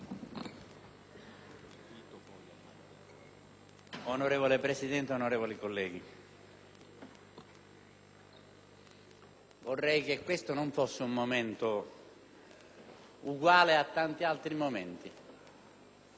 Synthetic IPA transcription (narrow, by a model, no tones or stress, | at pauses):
it̪opɔjaa | onoɾeːvolepɾesid̪ɛnt̪eonoɾeːvolikolːɛːɡi | vorːɛjk̟ekːwest̪onoɱfosːɪumːoment̪o | uɡwaːleat̪ːant̪ialt̪ɾimoment̪i